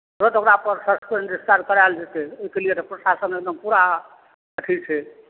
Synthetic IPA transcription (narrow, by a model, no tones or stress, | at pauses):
ɾət̪okɾapəɾsəspenɖist̪aɾkəɾald͡ʒet̪eoɦikeliet̪ɔpɾosasənek̚d̪əmpuɾa | əʈʰit͡ʃʰɛ